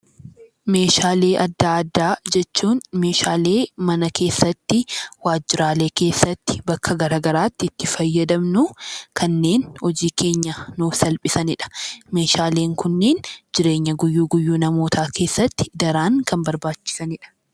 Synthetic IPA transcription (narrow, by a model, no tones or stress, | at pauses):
me̞ːʃaːle̞ːʔɐd̪ːaːɐd̪ːaːd͡ʒɛt͡ʃːuːnme̞ːʃaːle̞ːmɐnɐke̞ːsːɐt̪ːɪwaːd͡ʒːɪɾaːle̞ːke̞ːsːɐt̪ːɪ̥bɐkʰːɐɡɐɾaːɡɐɾaːt̪ːɪɪt̪ːɪfɐjːɐd̪ɐmnʊkʰɐnːe̞ːnhɔd͡ʒiːke̞ːɲːɐnuːfsɐlpʼɪsɐnɪᶑɐ̥me̞ːʃaːleːŋkʊnːeːnd͡ʒɪɾe̞ːɲːɐɡʊjːuːɡʊjːuːnɐmo̞ːt̪ʰaːkʰe̞ːsːɐt̪ːɪ̥d̪ɐɾaːŋkɐmbɐɾbaːt͡ʃːɪ̥sɐnɪᶑɐ̥